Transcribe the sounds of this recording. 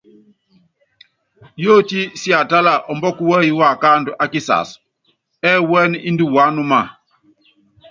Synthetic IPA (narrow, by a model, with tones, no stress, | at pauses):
jo˦ti˦si˦a˨ta˦la˨ʔɔ˨mbɔ˦ku˦wɛ˦i˦wa˦˨ka˦ndu˨ʔa˦ki˦sa̰˨s | ɛ˦wɛ˦ni˦ndi˦wa˨˦nu˦ma˦˨